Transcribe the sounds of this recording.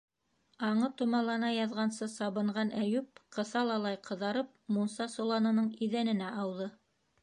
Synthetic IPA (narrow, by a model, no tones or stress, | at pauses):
ɑɴɤt̪ŏmɑlˠɑnɑjɑðʁɑnsɤsɑβɤ̆ɴɢɑnæjʉp̚qɤ̆sɑlˠɑlˠɑjqɤ̆ðɑɾɤp̚munsɑsolˠɑnɤ̆nɤɴiðænɘ̆næʔɑwðɤ